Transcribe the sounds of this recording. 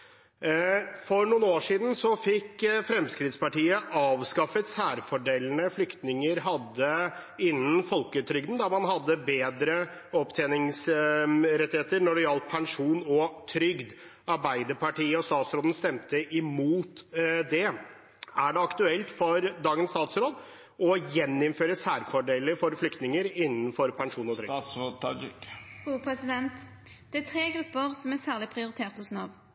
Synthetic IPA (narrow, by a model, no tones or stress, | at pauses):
fɔɾnuːnoːʂiːd̪n̩sɔfɪkːfɾɛmskɾɪd̪spɑʈiːəʔɑːʋskɑfət̪sæːɾfɔɖeːln̩əflʏkt̪nɪŋəɾɦɑd̪ːə | ɪnːənfɔlkət̪ʰɾʏɡd̪n̩d̪ɑmɑnɦɑd̪ːəbeːd̪ɾə | ɔpt̪ʰɛːnɪŋs | ɾɛt̪ːɪheːt̪əɾnɔɖɛjɑlt̪̚pʰɛŋʂuːnɔt̪ʰɾʏɡd̪ | ɑɾbæɪd̪əɾpʰɑʈiːəɔst̪ɑːt̪sɾoːd̪ən̩st̪ɛmt̪əʔɪmuːt̪d̪ɛ | æɖɛɑkt̪ʉɛlt̪fɔɾd̪ɑːɡənst̪ɑːt̪sɾoːd̪ | ɔjɛnɪnføːɾəsæːɾfɔɖeːlɪfɔɾflʏkt̪nɪŋəɾɪnːənfɔɾpʰɛŋʂuːnɔt̪ʰɾʏɡ̪ | upʰʁɛsɪd̪ɛnt̪ | d̪̥ɛæt̪ʰʁeːɡʁʉpːəʁsɔmæsæːʁlɪpʰʁɪʊɾɪt̪ʰeːʁt̪ʊsnɑʋ